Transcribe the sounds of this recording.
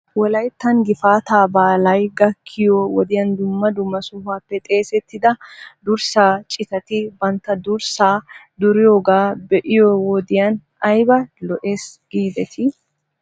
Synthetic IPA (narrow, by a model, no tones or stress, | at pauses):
wɔlɐjt̪ːɐŋɡɪfaːt̪aːbaːlɐjɡɐkʰːɪjowɔd̪ɪjɐnd̪ʊmːɐd̪ʊmːɐsʊfaːpːɛt̪ʼe̞ːsɛt̪ːɪd̪ɐd̪ʊɾsaːt͡ʃʼɪt̪ɐt̪ɪbɐnt̪ːɐd̪ʊɾsaːd̪ʊɾɪjoɡaːbɛʔɪjɔwɔd̪ɪjɐn | ɐjbɐlɔʔeːsɡ̥iːd̪ɛt̪ʰɪ